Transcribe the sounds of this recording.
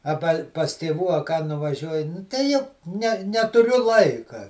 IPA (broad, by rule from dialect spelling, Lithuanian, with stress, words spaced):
ɐˈbɐ pɐs tʲeːˈʋuː ɐ kɑː nʊʋɐˈʒʲuɔjɪ ˈnʊ tɐɪ ˈjɛʊ nʲɛ nʲɛtʊˈrʲʊ ˈlˠɐɪkɐ